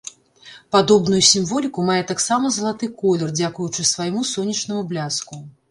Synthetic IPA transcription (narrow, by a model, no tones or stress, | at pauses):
pad̪ɔbnujusʲimvɔlʲikumajɛt̪aksamɐzɐlˠat̪ɨkɔlʲɛrd͡zʲakujut͡ʂɨsvajmusɔnʲːɐt͡ʂnɐmublʲasku